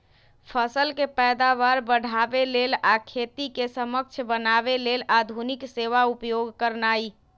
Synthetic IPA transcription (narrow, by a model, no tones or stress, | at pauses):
pʰəsəlkepɛd̪aβaɾbəɽ̤ʱabelelakʰet̪ikesəmək̚t͡ʃʰbənabelelʔad̪ʱunikseʋaupjoɡkəɾnai